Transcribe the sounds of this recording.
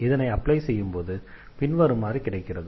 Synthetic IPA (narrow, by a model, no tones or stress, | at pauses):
ɪðɐnɐɪɐpːlɐɪsɛjːɯmpoːðɯ | pɪnʋɐɾɯmːaːrikɪɽɐɪkːɪrɐðɯ